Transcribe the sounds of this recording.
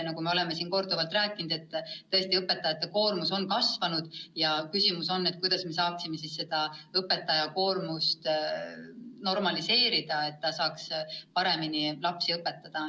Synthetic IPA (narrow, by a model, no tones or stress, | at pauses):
nɑɡume̞o̞le̞me̞siːnko̞rd̪ovɑlt̪ræːkːˑinud̪e̞t̪ːɤ̞e̞st̪iɤpːˑe̞t̪ːˑɑjɑt̪ːˑeko̞ːrmuso̞nkɑsvɑnud̪̥jɑkysʲimuso̞nːe̞t̪̚kujd̪̥ɑsme̞sɑːksime̞sisse̞d̪̥ɑɤpːe̞t̪ːˑɑjɑko̞ːrmust̪ | no̞rmɑlise̞ːɾid̪̥ɑe̞t̪ːɑsɑːkspɑɾe̞minilɑpsiɤpːe̞t̪ːɑd̪̥ɑ